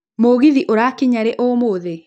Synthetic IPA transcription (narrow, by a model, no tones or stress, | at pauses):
moɣiðiʔoɾakiɲaɾɛʔomoːðe